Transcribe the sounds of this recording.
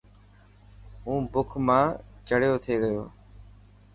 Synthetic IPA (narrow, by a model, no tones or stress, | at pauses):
ũːbʊkʰmãːt͡ʃəɽjoːt̪ʰeːɠəjoː